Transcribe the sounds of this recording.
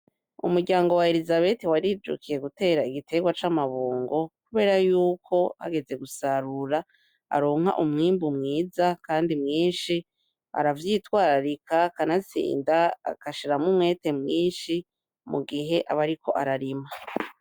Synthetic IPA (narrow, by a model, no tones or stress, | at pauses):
ṵmuɾɟaːŋɡo̞wae̞ɾizaβe̞tiwaɾid͡ʒṵkʰije̞ɡute̞ːɾaiɡitʰe̞ɡwat͡ʃamaβoːŋɡo̞kuβe̞ːɾajuːkʰo̞ha̰ɡe̞d͡ze̞ɡusaɾuɾa | a̰ɾo̞ːŋ̥ha̰ʔumŋiːmbumŋiːzakaːndimŋiːnʃi | a̰ɾavjitwaːɾaɾikʰakanasḭːnda̰ːkaʃiɾamumŋe̞ːte̞mŋiːnʃi | mṵɡiɦe̞ʔa̰βaɾiko̞̰ʔaɾaɾima